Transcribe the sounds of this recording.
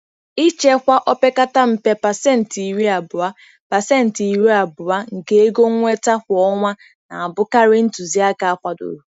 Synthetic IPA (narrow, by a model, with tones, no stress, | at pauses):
i˦t͡ʃe˦kʷa˦ʔɔ˦pe˦ka˦ta˦m̩˨pe˦pa˨se˦˨n̩˨ti˨ɾi˦a˨bʊ˨a˦ | pa˨se˦n̩˨ti˨ɾi˦a˨bʊ˨wa˦ŋ̩˨ke˦e˦ɡo˦ŋʷe˦ta˦kʷɔ˦ŋʷa˦ | na˨a˨bʊ˦ka˦ɾɪ˦n̩˦tu˨zi˦a˦ka˨a˦kʷa˦do̰˨ɾu˨˦